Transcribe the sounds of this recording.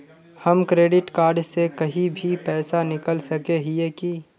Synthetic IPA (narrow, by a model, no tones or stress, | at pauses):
həmkɾeːɖɪʈkaːɾɖsekɐɦibʱipɛːsanɪkəlsəkeɦieki